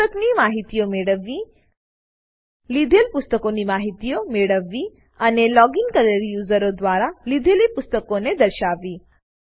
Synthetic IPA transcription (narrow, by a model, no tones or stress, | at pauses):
əkniːmaɦit̪ijomeɭəʋːi | lid̪ʱelpust̪əkonimaɦit̪ijomeɽəʋːi | anelɔɡinkələɾjuzəɾod̪ʋaɾalid̪ʱelipust̪əkoned̪əɾɕaʋiː